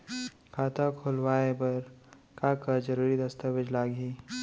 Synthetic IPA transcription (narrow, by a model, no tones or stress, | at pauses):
kʰaːt̪akʰʊlwaːebɐɾ | kaːkad͡ʒəɾuːɾid̪ɐst̪aʋɪd͡ʒlaːɡɦiː